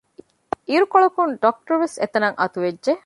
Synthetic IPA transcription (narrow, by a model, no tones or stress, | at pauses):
iɾukoɭɐkunɖok̚ʈɐɾʋeset̪ɐnɐŋʔɐt̪uʋedʒe